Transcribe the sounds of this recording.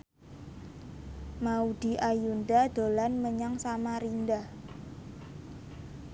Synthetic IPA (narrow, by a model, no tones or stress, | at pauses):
maud̪̥i̤ʔajund̪ad̪̥o̤lanməɲaŋsamaɾindah